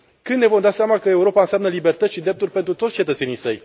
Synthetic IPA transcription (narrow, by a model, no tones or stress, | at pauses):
kɨnd̪nevo̞md̪aseamakəe̞uɾo̞paɨnsʲamnəlibe̞rt̪ət̪sʃid̪ɾe̞p̚t̪urʲpe̞nt̪ɾut̪ot̪sʲt͡ʃe̞t̪ət̪se̞nijsəj